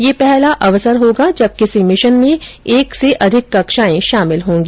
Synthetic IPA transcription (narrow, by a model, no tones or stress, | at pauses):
jeːpɛɦlaʔɐʋsəɾɦoːɡad͡ʒɐb̚kɪsimɪʃənmẽeːkseʔɐd̪ʱɪkːɐkʃaːẽʃaːmɪlɦõːŋɡiː